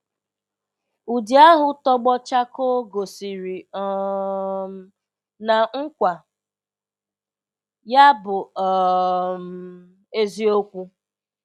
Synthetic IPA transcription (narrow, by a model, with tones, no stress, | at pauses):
u˨di˦a˦ɦʊ˨tɔ˦ɡ͡bɔ˦t͡ʃa˦ko˦ɡo˨si˨ɾi˨ | na˨ŋ̩˦kʷa˨ | ja˦bʊ˨ɔ˨m̩˨ | e˦zi˦o˦kʷu˦